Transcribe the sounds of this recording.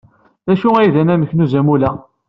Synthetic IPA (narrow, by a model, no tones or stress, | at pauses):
ðæʃuæjiðænæməçnuzæmulæ